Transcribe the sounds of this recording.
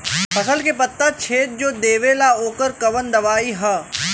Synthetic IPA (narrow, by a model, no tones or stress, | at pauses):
fɐsəlkepɐt̪ːat͡ʃʰeːt̪̚d͡ʒoːd̪eːʋelaoːkəɾkɐʋənd̪ɐʋaːiɦɛ